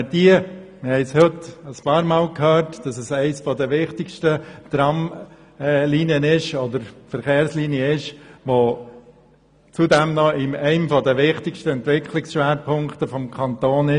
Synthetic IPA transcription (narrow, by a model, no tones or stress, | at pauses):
d̥iəmɪhɛɪshøt̪əspɑːɾmɑːlkʰhøːɾtd̥ɑsəsɛɪsfɔd̪əʋɪχt̪ɪkʃtəd̪̥ɾɑmː | liniənɪʃɔd̪əɾfəɾχeːɾsliːniəɪʃʋo | t͡sud̪ɛmnɔɪmɛɪmfɔdəʋɪχtɪkʃtəɛntʋɪkʰlɪksʃʋæːɾpʰʊŋkt̪əfɔmkʰɑnt̪oːnɪ